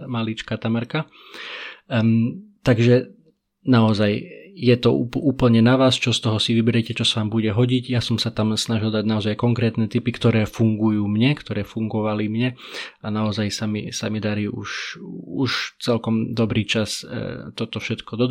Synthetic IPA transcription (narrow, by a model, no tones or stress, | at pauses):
malit͡ʃkaːt̪amaɾka | t̪aɡʒɛ | naɔzajjɛt̪ɔupʔuːpl̩ɲɛnaʋaːst͡ʃɔst̪ɔɦɔsiʋibɛɾɛcɛt͡ʃɔsaʋaːmbuɟɛɦɔɟiɟjasɔmsat̪amsnaʒild̪aɟnaɔzajkɔŋkɾɛːt̪nɛt̪ipikt̪ɔɾɛːfuŋɡujuːmɲɛkt̪ɔɾɛːfuŋɡɔʋalimɲɛ | anaɔzajsamḭsamid̪aɾiːʔuʃuʃt͡sɛlkɔmd̪ɔbɾiːt͡ʃast̪ɔt̪ɔfʃɛt̪kɔd̪ɔ